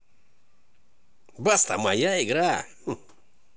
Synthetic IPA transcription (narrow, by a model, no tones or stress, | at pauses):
bast̪a̰ma̰jaiɡɾa